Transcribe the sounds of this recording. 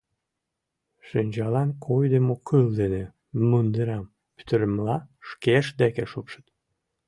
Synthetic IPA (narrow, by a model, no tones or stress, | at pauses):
ʃɨnʲd͡ʒɑlɑnkʰojd̪emokʰːɯlˠd̪ene | mɯnd̪ɨɾɑm | py̥t̪əɾmlɑʃkeʃd̪ækeʃupʃɨt̪